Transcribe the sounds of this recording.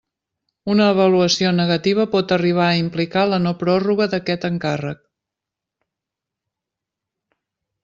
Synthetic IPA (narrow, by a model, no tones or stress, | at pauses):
unəːβəluəsionəɣət̪iβ̞əpɔt̪əriβ̞aəimplikalənopɾɔruɣəðəkɛt̪əŋkarək̚